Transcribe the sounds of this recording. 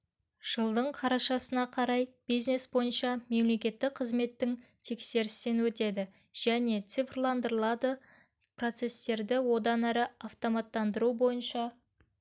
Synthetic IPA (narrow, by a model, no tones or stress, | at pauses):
ʒ̥əlˠd̪əɴqʰɑɾɑʃɑsənɑqʰɑɾɑjb̥ijzne̞sbo̞jənʃɑme̞mle̞kʲe̞t̪ːɪk̚qʰəzme̞t̪ːɪŋt̪ʰe̞kse̞ɾɪst̪enwɵt̪e̞d̪ɪ | ʒ̥æne̞t̪sɨifrlˠɑnd̪əɾəlˠɑd̪ə | pro̞t̪se̞st̪e̞ɾd̪ɪwo̞d̪ɑnæɾɪɑft̪o̞mɑt̪ːɑnd̪əɾubo̞jənʃɑ